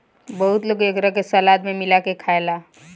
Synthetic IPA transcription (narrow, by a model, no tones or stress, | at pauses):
bəɦut̪loːɡekɾəkesəlad̪memɪlakekʰaela